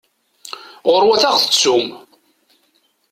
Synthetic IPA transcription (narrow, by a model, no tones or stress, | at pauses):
ʁʊɾwæθaʁθə̥t͡sːum